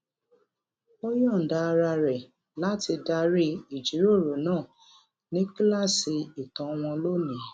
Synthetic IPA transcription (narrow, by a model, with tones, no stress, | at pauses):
o˦jɔ̃˦˨n̩˨da˧˦˧ɾa˧ɾɛ˨ | la˨˦ti˧da˧ɾi˦i˨d͡ʒi˨˦ɾo˦˨ɾo˨˦nãː˦˨ | nĩ˦kla˦˨si˧i˨tã˨˦˧w̃ɔ̃˧lo˦nĩ˨˦